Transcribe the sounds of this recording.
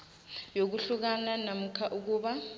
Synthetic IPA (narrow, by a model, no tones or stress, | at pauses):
jok̬uɬuk̬ananam̩kʰaʔuk̬uːɓa